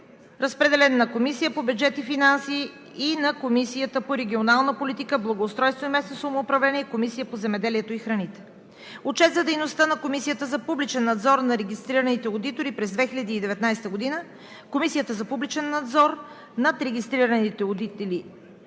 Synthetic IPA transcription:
ɾəspɾɛd̪ɛlɛnːɐkomisijəpobʲjud͡ʒɛt̪ifinansiː | nɐkomisijət̪əpoɾɛɡʲionalˠnəpolit̪ikəblˠɐɡoːst̪ɾɔjst̪voimɛsnosvomoːpɾɐvlɛniɛikomisijəpozɛmɛd̪ɛliɛt̪oixɾɐnit̪ɛ̥ | ot͡ʃɛt̪zəd̪ɛjnost̪ənɐkomisijət̪əzɐpublit͡ʃɛnːɐd̪zɔɾnɐɾɛɡʲist̪ɾiɾənit̪ɛod̪it̪oɾipɾɛzd̪vɛxilʲɐd̪iːd̪ɛvɛt̪najst̪əɡod̪inə | komisijət̪əzɐpublit͡ʃɛnːɐd̪zɔɾ | nɐt̪ɾɛɡʲist̪ɾiɾənit̪ɛod̪it̪ɛli

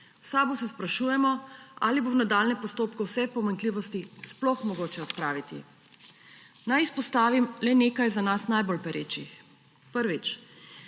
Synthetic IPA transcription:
wsaːbusɛspɾaʃuːjɛmɔa̰libownad̪aːlnɛpɔst̪oːpkɔwsɛpɔmaŋkliːʋɔst̪isplɔxmɔɡoːt͡ʃɛɔt̪pɾaːʋit̪ḭ | najispɔst̪aːʋimlɛneːkajzanasnajbolpɛɾeːt͡ʃix | pəɾʋit͡ʃ

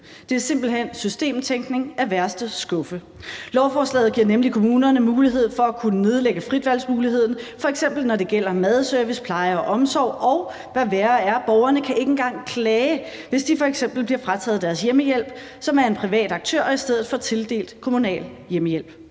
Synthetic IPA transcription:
d̥e̝æɐse̝m̰b̥l̩ɦen̰sysd̥e̝̰ːmt͡sʰeŋɡ̥ne̝ŋæʋæɐsd̥əsɡ̥ɔ̽fə | lɒʊfɒːslɛ̰ːð̩ˠɡiɐ̰nemlikʰo̝muːnɐnəmuːliɦe̝ð̞̰ˠfɒ̽ækʰunəne̝ð̞ˠleɡ̥əfʁid̥ʋæl̰smuːliɦe̝ð̞̰ˠn̩fɒ̽eɡ̥sem̰b̥l̩nɒɾ̥e̝ɡ̥el̰ɐmæð̞ˠsœɐʋispʰlɑ̈ɪɐɒ̽ʔɒ̽msɒʊ̰ɒ̽ʊ | ʋæʋæːɐæɐb̥ɒʊɐnəkʰæʔe̝ɡ̥n̩ɡ̥ɑ̈ŋ̰kʰlɛːɪ | ʋe̝sd̥ifɒ̽eɡ̥sem̰b̥l̩b̥liɐfʁɑ̈t͡sʰɛ̰ːð̩ˠd̥æɐsjeməjel̰b̥ | sɒ̽mæɐe̝npʰʁiʋɛ̰ːd̥ɑ̈ɡ̥̚t͡sʰø̰ɐ̰isd̥eð̞̰̩ˠfɒ̽t͡sʰe̝ld̥e̝̰ːld̥kʰo̝munɛ̰ːljeməjel̰b̥

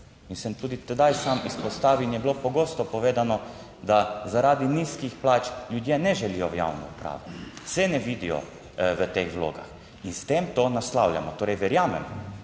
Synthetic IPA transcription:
misɛmt̪uːd̪it̪ɛd̪ajsaːmispɔst̪aːʋiinjɛbilopɔɡoːst̪ɔpɔʋeːd̪anɔ | d̪azaɾaːd̪iniskixplaːt͡ʃlʲjud̪jenɛʒɛlijɔʋja̰wnɔ̰upɾa̰ːʋɛsɛnɛʋiːd̪ijɔ̰ | ʋət̪exʋlo̰ːɡa̰x | inst̪emt̪onaslawlʲja̰mɔt̪oːɾɛjʋɛɾjaːmɛm

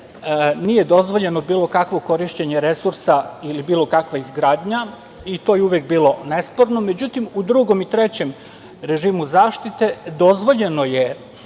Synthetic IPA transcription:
nije̞d̪o̞zʋo̞ʎe̞no̞biːlˠo̞kakʋo̞ko̞ɾiʃt͡ɕeɲeɾesuɾsailibiːlo̞kakʋaizɡɾaːd̪ɲa | it̪o̞jeuʋek̚biːlˠo̞nespo̞ɾnome̞d͡ʑut̪imud̪ɾuɡo̞mit̪ɾet͡ɕe̞m | ɾe̞ʒiːmuzaːʃt̪it̪e̞d̪o̞zʋo̞ʎe̞no̞je̞

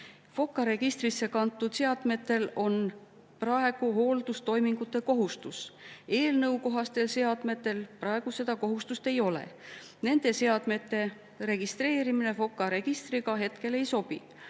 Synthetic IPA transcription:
fo̞kːˑɑɾe̞ɡ̥ist̪risːe̞kɑnt̪ːˑud̪̥seɑd̪̥me̞t̪ːˑe̞lo̞n | prɑe̞ɡ̥uɦho̞ːld̪̥ust̪o̞jmiŋɡ̥ut̪ːˑe̞ko̞ɦust̪use̞ːlnɤwko̞ɦɑst̪e̞lse̞ɑd̪̥me̞t̪ːˑe̞lpɾɑe̞ɡ̥use̞d̪ɑko̞ɦust̪ust̪e̞jo̞lḛ | ne̞nd̪̥e̞se̞ɑd̪̥me̞t̪ːˑe̞ | ɾe̞ɡ̥ist̪re̞ːɾimine̞fo̞kːˑɑɾe̞ɡ̥ist̪riɡɑɦe̞t̪ke̞le̞jso̞b̥ḭ

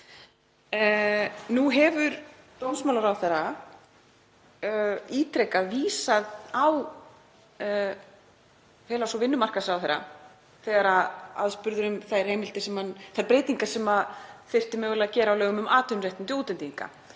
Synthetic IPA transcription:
nuɦɛvʏɾ | t̪ownsmaːlaɾawθeɾa | iːt̪ɾɛjkaviːsaðaw | fɛlasɔvɪnːʏmar̥kasawθeɾːa̰ | θɛːɣaɾaa̰ðspʏɾðʏɾʏmθajr̥hejmɪlt̪ɪsɛmhanθajɾpɾeːjt̪iŋkasɛmafɪr̥t̪ɪmɛvɛlaðcɛːɾaːwlœːɣʏmʏmʔaːt̪ʏnɾejht̪ɪnt̪ɪuːt̪ɛnt̪iiŋka̰

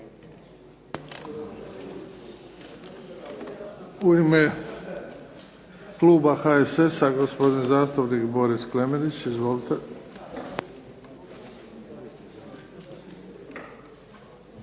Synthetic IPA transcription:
uime | kluːbaxaesesaɡospo̞d̪inzaːst̪apnikbo̞ɾisklemed̪it͡ɕizʋolt̪e

